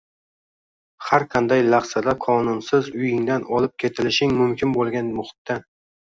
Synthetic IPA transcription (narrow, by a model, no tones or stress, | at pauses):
haɾqʰɑnd̪ajlˠɑχsad̪aqʰɒnʊnsɪzʊjɪŋd̪anɒlˠɪp̚kʲʰe̞t̪ʰɪlɪʃɪŋmʊmkʲʰɪnbolˠɡʲanmʊχʊ̥t̪ːan